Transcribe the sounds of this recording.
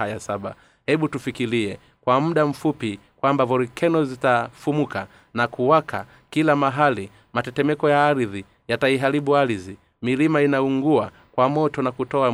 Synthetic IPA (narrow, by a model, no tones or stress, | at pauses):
ajasaɓa̰ | hɛɓutufikiliɛ | kwamuɗam̩fupi | kwambavɔɾikʰɛnɔzitafumuka | nakuwakʰa | kilamaɦali | matɛtɛmɛkɔjaːɾiði | jataiɦaɾiɓuaɾizi | milimainauŋɡua | kwamɔtɔnakutɔa